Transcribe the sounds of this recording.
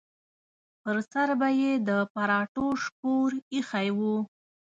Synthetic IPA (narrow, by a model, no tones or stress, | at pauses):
pəɾsaɾbajed̪əpaɾɑʈoʂkoɾixajwu